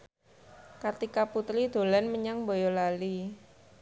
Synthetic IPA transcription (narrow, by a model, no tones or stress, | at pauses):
kart̪ikaput̪ɾid̪̥o̤lɛnməɲaŋbojɔlali